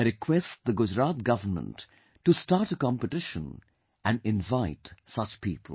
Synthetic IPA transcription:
ɾɪkʰwɛstd̪əɡʊd͡ʒɾat̪̚ɡʌʋənmə̰̃ntː | ustaɾʈəkɑ̃mpəʈɪʃə̃n | ʔæ̃nɖɪ̃nvaɪtsʌt͡ʃpḭːpʰl

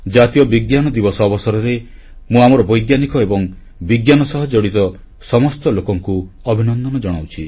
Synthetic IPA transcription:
d͡ʒat̪ijɔbiɡjanɔd̪ibɔsɔːbɔsɔɾɔɾe | mũamɔɾɔbɔjɡjanikɔebɔŋ | biɡjanɔsɔɦɔd͡ʒɔɽit̪ɔ | sɔmɔst̪ɔlokɔŋkuɔbʱinɔnd̪ɔnɔd͡ʒɔɽ̃awt͡ʃʰi

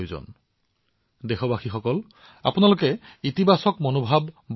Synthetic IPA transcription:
jzɔ̰n | dexɔbaxixɔkɔl | a̰punalokɛit̪ibʱasɔkmonobʱabː

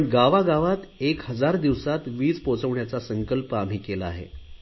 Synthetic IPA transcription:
əɳɡaʋaɡaʋat̪ekhəd͡zaɾd̪iʋsat̪ʋiːt͡spot͡səʋɳjat͡sasəŋkəlpəam̤iːkelaaːɦḛ

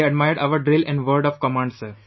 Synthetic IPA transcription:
eɐɖmaɪəɾɖʔaʋəɾɖɾɪlɪ̃ɳɖʋəːɾɖɔʋkɔmãːɳɖsəɾ

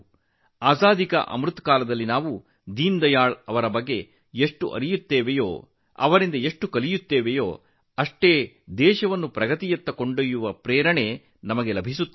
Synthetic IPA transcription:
aːsaːd̪ikɐ̰ʔɐ̰mɾut̪kaːlɐd̪ɐlːinaːʋu | d̪iːnd̪ɐjaːɭɐʋɐɾɐbɐɡːe̞ | eʂʈṵʔɐ̰ɾijut̪ːeːʋejo̰ː | ɐ̰ʋɐɾind̪ɐeʂʈukɐlijut̪ːeːʋejoː | ɐʂʈeː | d̪ɛːʃɐʋɐnːupɾɐɡɐt̪ijɐt̪ːɐko̞ɳɖojuʋɐpɾɛːɾɐɳe̞ | nɐmɐɡe̞lɐbʱis̬ut̪ː

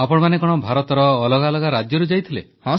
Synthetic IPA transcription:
apɔɽ̃manekɔɽ̃ɔbʱaɾɔt̪ɔɾɔːlɔɡalɔɡaɾad͡ʒjɔɾud͡ʒajt̪ʰilḛhɔ̃

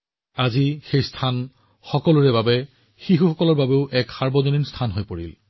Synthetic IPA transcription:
azixejstʰan | xɔkɔlʊɹɛbabɛ | xixuxɔkɔlɔɹbabeʊʔɛkxaɹbɔzoninstʰanɦojpoɹḭl

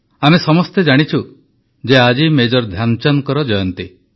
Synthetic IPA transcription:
amesɔmɔst̪ed͡ʒaɽ̃it͡ʃʰu | d͡ʒead͡ʒimed͡ʒɔɾd̪ʱjant͡ʃanɔkɔɾɔd͡ʒɔjɔnt̪i

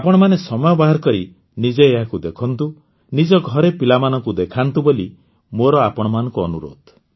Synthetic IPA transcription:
apɔɽ̃ɔmanesɔmɔjɔbaɦaɾɔkɔɾi | nid͡ʒeːɦakud̪ekʰɔnt̪u | nid͡ʒɔɡʱɔɾepilamanɔkud̪ekʰant̪uboli | moɾɔapɔɽ̃ɔmanɔŋkuɔnuɾo̰d̪

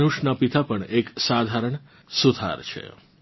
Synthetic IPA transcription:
nuʃnapit̪apəɳeksad̪ʱaɾəɳ | sud̪ʱa̰ɾt͡ʃʰḛ

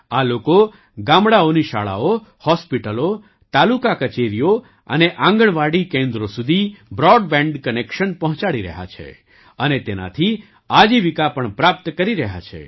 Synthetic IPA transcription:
aloko | ɡãmɽaoniʃa̰ɭa̰ohɔspiʈəlo | t̪alukakət͡ʃeɾijo | əneʔãŋɡəɳʋaɽikẽnd̪ɾosud̪ʱibɾɔɖbɛ̃ɳɖkənekʃənpɔɦɔ̃t͡ʃaɽiɾə̰ɦa̰t͡ʃʰḛ | ənet̪ena̰t̪ʰi | ad͡ʒiʋikapəɳpɾap̚t̪kəɾiɾəɦa̰t͡ʃʰḛ

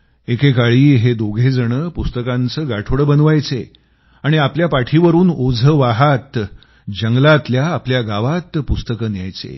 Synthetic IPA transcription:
ekekaɭiːɦed̪oɡʱed͡zəɽ̃əpust̪əkãnt͡səːɡaʈʰʋɽəbənʋajt͡se | aɽ̃iapljapaʈʰiʋəɾuːnod͡zʱəʋaɦat̪ | d͡ʑəŋɡlat̪ljaːpljaɡaʋat̪pust̪əkənja̰jt͡sḛ

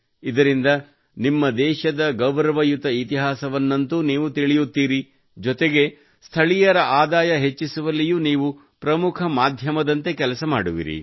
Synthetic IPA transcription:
id̪ɐɾind̪ɐ | nimːɐd̪ɛːʃɐd̪ɐɡɐʋɾɐʋɐjut̪ɐit̪iɦaːsɐʋɐnːɐnt̪uniːʋut̪iɭijut̪ːiːɾi | d͡ʒɔt̪e̞ɡe̞ | st̪ʰɐɭijɐɾɐʔaːd̪aːjɐɦet͡ʃːisuʋɐlːijuniːʋu | pɾɐmukʰɐmaːd̪ʱjɐmɐd̪ɐnt̪e̞kɛlɐsɐmaːɽuʋḭɾḭ

